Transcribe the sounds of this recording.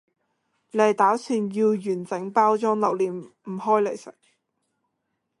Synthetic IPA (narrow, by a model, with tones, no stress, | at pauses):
le˨jt̪aː˨˥syː˧njiː˧wjyː˨˩nt͡sɪ˨˥ŋpaː˥wt͡ʃɔː˥ŋlɐ˨˩wliː˨˩mm̩˨˩hɔː˥jle˨˩jsɐ̰˨˩